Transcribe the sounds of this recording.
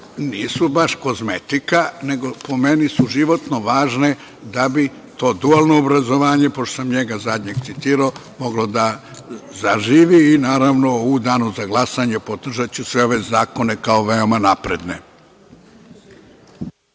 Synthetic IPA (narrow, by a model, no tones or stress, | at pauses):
niːsubaʃko̞zmet̪ikane̞ɡo̞po̞me̞nisuʒiʋo̞t̪noʋaːʒne̞ | d̪abi | t̪o̞ːd̪ualˠno̞ːbɾazo̞ʋaːɲe̞poʃt̪osamɲeɡazad̪ɲeɡt̪sit̪iːɾao | mo̞ɡlod̪a | zaʒiːʋiːnaːɾaʋno̞ud̪aːnuzaɡlˠasaɲepod̪r̩ʒat͡ɕusʋeoʋezaːkonekao̞ʋeo̞manapɾe̞d̪ne̞̰